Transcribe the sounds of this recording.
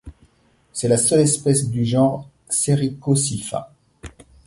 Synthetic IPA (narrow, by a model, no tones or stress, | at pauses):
sɛlasœlɛspɛsd̪yʒɑ̃ʁ | seʁikosifa̰